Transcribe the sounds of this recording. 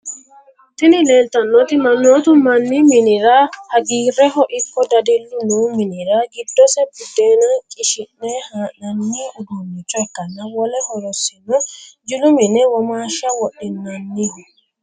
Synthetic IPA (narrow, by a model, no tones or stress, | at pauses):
t̪ɪnɪleːlt̪ɐnːɔt̪ɪmɐnːɔt̪ʊmɐnːimɪnɪɾahɐɡiːrɛɦɔʔɪkːɔd̪ɐd̪ɛlːʊnuːmɪniɾaɡɪd̪ːɔsɛbʊd̪ːeːnakʼɪʃɪnːɛhanɐnːiʊd̪umːɪt͡ʃːɔɛkːɐnːawɔlɛhɔɾɔsːinɔd͡ʒɪlʊminɛwɔmaːʃawɔɗinːɐnːi